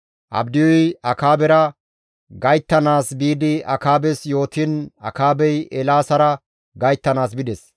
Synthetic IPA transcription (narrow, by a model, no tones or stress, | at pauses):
ʔɐ̰bd̪ɪjɔjɐkaːbɛɾɐ | ɡɐjt̪ːɐnaːsbiːd̪ɪʔɐkaːbɛsjo̞ːt̪ɪnɐ̰kaːbɛjʔɛlaːsɐɾɐ | ɡɐjt̪ːɐnaːs̬bɪd̪ɛs